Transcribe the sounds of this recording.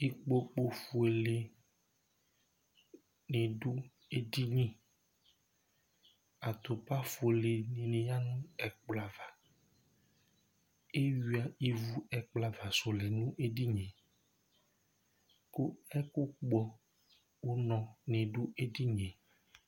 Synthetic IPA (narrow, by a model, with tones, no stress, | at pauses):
i˦k͡po˦k͡po˨fu˨e˨le˨ | nẽ˨ɖu˦ | e˦di˦ɲĩ˦ | a˨t̪o˨pa˦fu˨e˨le˨nĩ˨nẽ˨ja˦nũ˦ɛ˨k͡pla˨va˨ | e˦ɥi˨˦a˨i˦vu˦ɛ˨k͡pla˨va˨so˨lɛ˨nũ˦ʔe˦di˦ɲẽ˨ | ko˦ɛ˦ku˦k͡pɔ˦ | wo˦nɔ̃˨nẽ˨ɖu˦e˦di˦ɲẽ˨